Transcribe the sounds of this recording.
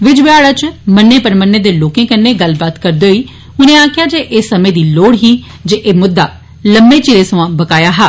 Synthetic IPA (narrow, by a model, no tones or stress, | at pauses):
ʋɪd͡ʒʋɪaːɽaːt͡ʃmənːeːpəɾmənːeːd̪eːloːkẽːkənːeːɡəlbaːt̪kəɾd̪eːɦoiː | ʊnẽːaːkʰɪjaːd͡ʒeːʔeːsəmẽːd̪iːloːɽɦiː | d͡ʒeːʔeːmʊd̪ːaː | ləmbeːt͡ʃɪɾeːsəʋãːbəkaːjaːɦaː